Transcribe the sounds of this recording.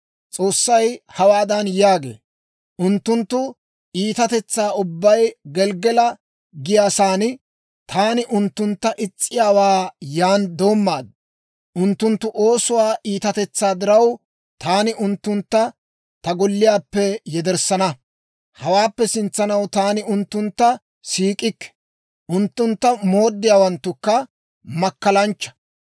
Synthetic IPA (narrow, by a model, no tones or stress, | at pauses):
t͡sʼo̞ːsːɐjhɐwaːd̪ɐnjaːɡḛː | ʔʊnt̪ːʊnt̪ːʊ | ʔiːt̪ɐt̪ɛt͡sːaːʊbːɐjɡɛlɡɛlɐ | ɡɪjaːsaːnɪ | t̪ʰaːnɪʔʊnt̪ːʊnt̪ːɐʔɪt͡sʼːɪjaːwaːjaːnd̪o̞ːmːaːd̪ | ʔʊnt̪ːʊnt̪ːʊʔo̞ːsʊwaːʔiːt̪ɐt̪ɛt͡sːaːd̪ɪɾɐw | t̪aːnɪʔʊnt̪ːʊnt̪ːɐ | t̪ɐɡɔlːɪjaːpːɛjɛd̪ɛɾsɐnɐ | hɐwaːpːɛsɪnt͡sːɐnɐwt̪aːnɪʊnt̪ːʊnt̪ːɐ | siːkʼɪkːɛ̥ | ʔʊnt̪ːʊnt̪ːɐmo̞ːd̪ːɪjaːwɐnt̪ːʊkːɐ | mɐkːɐlɐnt͡ʃːɐ̥